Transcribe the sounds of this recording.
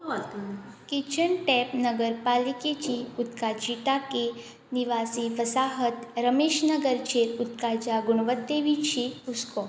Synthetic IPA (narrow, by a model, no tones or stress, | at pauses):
kit͡ʃʰəɳʈɛpnəɡəɾpaliket͡ɕiut̪kad͡ʑiʈake | niʋasiʋəsaɦət̪ɾəmeʃnəɡəɾt͡ʃeɾut̪kad͡ʒaɡuɽ̃ʋət̪ːeʋit͡ɕʰipuskɔ